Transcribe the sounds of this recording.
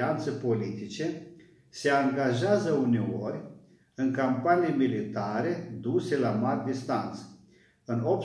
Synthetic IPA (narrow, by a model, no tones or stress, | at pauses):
ant̪sepo̞lit̪it͡ʃe̞ | se̞aŋɡaʒeazəune̞orʲ | ɨŋkampanijmilit̪aɾe̞d̪use̞lamarʲd̪ist̪ant̪s | ɨnop̚